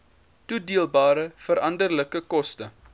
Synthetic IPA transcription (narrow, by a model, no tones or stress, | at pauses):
tudiəlˠbɑːɾəfəɾɐndərləkəkɔstə